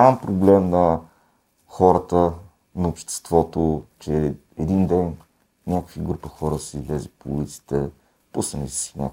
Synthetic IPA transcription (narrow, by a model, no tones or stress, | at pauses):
ampɾoblɛmnɐ | xɔɾət̪ə | nɐopʃt̪ɛ̥st̪vɔt̪ot͡ʃɛ | ɛd̪ind̪ɛn | nʲakəkviɡɾupəxɔɾəsizlʲɛzipoṵlit̪si̥t̪ɛ | pusənisi̥snʲa̰k